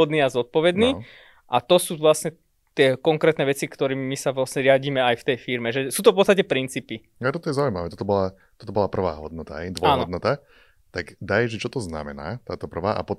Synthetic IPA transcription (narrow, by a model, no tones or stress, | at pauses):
ɔd̪niːazɔt̪̚pɔʋɛd̪niː | ʔat̪ɔsuːʋlasɲɛ | t̪ɪɛkɔŋkɾɛːt̪nɛʋɛt͡sikt̪ɔɾiːmmisaʋlasɲɛɾɪaɟiːmɛajft̪ɛjfiɾmɛʒɛsuːt̪ɔfpɔtt͡sst̪acɛpɾint͡siːpi | at̪ɔt̪ɔjɛzaʊujmaʋɛːt̪ɔt̪ɔbɔla | t̪ɔt̪ɔbɔlapr̩ʋa̰ːɦɔd̪nɔt̪a̰ɦɛjd̪ʋɔaːnɦɔd̪nɔt̪a | t̪aɡd̪ajʒɛt͡ʃɔt̪ɔzna̰mɛ̰naːt̪aːt̪ɔpr̩ʋaːʔa̰pɔ